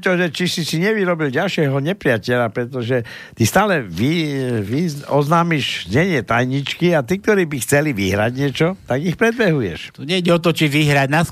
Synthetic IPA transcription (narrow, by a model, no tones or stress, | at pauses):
t̪ɔʒɛt͡ʃisisiɲɛʋiɾɔbilɟalʃɪɛɦɔɲɛpɾɪacɛʎapɾɛt̪ɔʒɛ | t̪ist̪aːlɛʋiʋiɔznaːmiʃzɲɛɲɪɛt̪ajɲit͡ʃkiat̪iːk̚t̪ɔɾiːbixt͡sɛliʋiɦɾa̰ɟɲɪɛt͡ʃɔt̪aɡixpɾɛd̪̚bɛɦujɛ̰ʃt̪uɲɛiɟɛɔt̪̬ɔt͡ʃiʋiɦɾaɟnas